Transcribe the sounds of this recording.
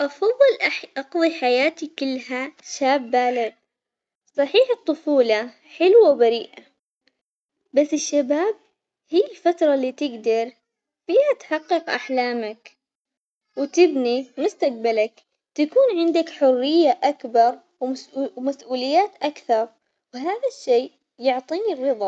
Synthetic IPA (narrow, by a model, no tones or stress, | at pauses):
ʔɑfɑðˤːɨlʔʔɑqðˤiħajaːt̪ikɪlːɦaʃaːbːaːlɪd̪̚ | sˤɑħiːħɨt̪ˤːʊfuːlɑ | ħɪlwawbaɾiːʔa | basːɪʃːabaːb̚ | hijːɪlfat̪ɾˤɑlːiːt̪ɪɡd̪ɑɾˤ | fiːhat̪ħɑqːɨqʔa̰ħlaːmak | wɪt̪ɪbnimʊst̪aq̚balak | t̪akuːnʕɪnd̪akħʊrːɪjːaʔakbɑɾˤ | wmasʔuːlɪjːaːt̪ʔakθɑɾˤ | wɦaːðaʃːeː | jʊʕt̪ˤiːnirːɨðˤɑ